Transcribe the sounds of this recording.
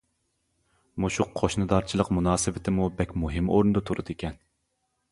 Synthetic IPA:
muʃuqʰːoʃnɨd̪ɑɾt͡ʃʰilˠəqmunɑːsɨvɪt̪ʰɪmubɛkʲmuɦɨmoɾnɨd̪ɨt̪ʰuɾut̪ʰekʲɛn

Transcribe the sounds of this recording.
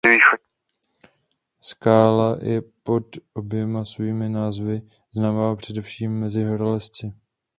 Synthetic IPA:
viːxo | skaːlajɛ̰po̞t̪ʔo̞bjɛmasviːmɪnaːzvɪ | znaːmapr̝̥ɛdɛfʃiːmːɛzɪɦɾalɛst͡sɪ

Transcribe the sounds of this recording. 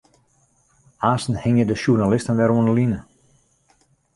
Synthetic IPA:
aːstn̩hɪŋjədəʃurnalɪstənʋɛɾuənəlinə

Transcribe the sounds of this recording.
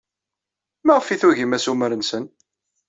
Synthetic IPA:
mæʁəfiθuʝəmæsuməɾənsən

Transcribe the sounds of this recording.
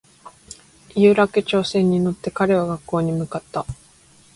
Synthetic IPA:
jɯ̟ːɾakɯ̟t͡ɕo̞ːsẽ̞ɲ̟ːino̞t̪ːe̞kaɾe̞βaɡakːo̞ːɲ̟imɯ̟kat̪ːa

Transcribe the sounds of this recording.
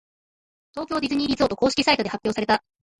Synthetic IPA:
t̪o̞ːkʲo̞ːdʲizɨɲ̟iːɾʲizoːt̪o̞ko̞ːɕi̥kʲi̥sait̪o̞dehapʲjo̞ːsaɾe̞t̪a

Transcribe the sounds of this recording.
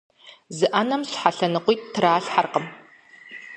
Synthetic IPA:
zɨʔɐnɐmɕħaɬɐnɨqʷijːttʰːɨɾaːɬħarqəm

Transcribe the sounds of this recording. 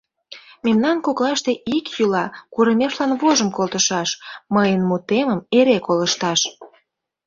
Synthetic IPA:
memnɑnkoklɑʃt̪e̽ʔikjulɑkuɾəmʲeʃlɑnβoʒəmkolt̪əʃɑʃməjənmut̪eməmeɾekoləʃt̪ɑʃ

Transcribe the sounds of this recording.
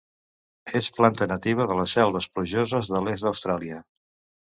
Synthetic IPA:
esplant̪ənət̪iβ̞əðələsɛlˠβəspluʒozəzðəlezd̪əwst̪ɾalˠiə

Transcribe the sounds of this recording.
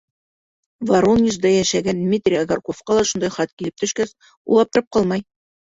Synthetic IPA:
vɐɾolnʲiʃd̪ɑjæʃæɡænd̪mʲit̪rʲiaɡarkofqɑlˠɑʃund̪ɑjχɑt̪̚kilɘp̚t̪ɵ̆ʃkæs | ṵlˠɑp̚t̪ɤ̆ɾɤp̚qɑlˠmɑj

